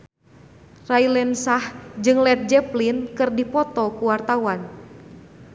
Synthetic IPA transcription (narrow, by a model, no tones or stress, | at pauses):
railɛnsahd͡ʒɨŋlɛt̪̚d͡ʒɛplinkɨrdipɔt̪ɔkuwart̪awan